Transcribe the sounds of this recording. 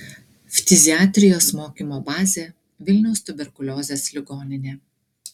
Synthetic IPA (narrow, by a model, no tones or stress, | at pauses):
fʲt̪ʲɪzʲɪɑːt̪ʲɾʲɪjoːsmoːkʲiːˑmoːbɑːzʲeː | ʋʲɪlʲnʲɛʊst̪ʊbʲɛɾkʊlʲoːzʲeːslʲɪɡoːnʲɪnʲeː